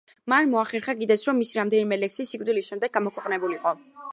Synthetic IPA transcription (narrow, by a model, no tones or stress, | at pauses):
manmɔaχɛɾχaɡid̪ɛt̪sʰɾɔmːisiɾamd̪ɛnimɛlɛksisikʼd̪ilisʃɛmd̪ɛɡ̚amɔkʰwɛqʼnɛbuliqʼɔ